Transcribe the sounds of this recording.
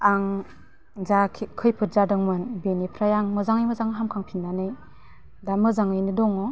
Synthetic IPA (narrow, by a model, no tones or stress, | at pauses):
aŋ | zakʰikʰɯjpʰɯt̚zadɯŋmanbenipʰɾajaŋmɯzaŋɯjmɯzaŋɦamkʰaŋpʰinːanɯj | damɯzaŋɯjnidɔŋɔ